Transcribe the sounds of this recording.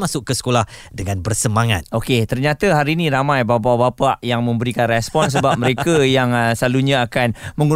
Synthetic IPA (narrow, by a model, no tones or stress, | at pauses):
masʊkːəsə̥kolahdəŋanbərsəmaŋa̰t̪̚oket̪ərɲat̪aɦaɾiːnĩɾamãjbap̬abapaʔjaŋmə̃mbəɾikanrɛspɔnsəbap̚məɾekajaŋsəlaluɲãakanmə̃ŋu